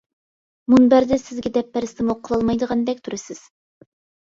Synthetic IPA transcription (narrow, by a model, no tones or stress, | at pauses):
munbæɾd̪ɪsɪzɡʲɛd̪ɛpːæɾɪst̪ɪmoqʰːəlˠɑlˠmɑjd̪əʁɑnd̪ɛkʲt̪ʰuɾɪsɪz̥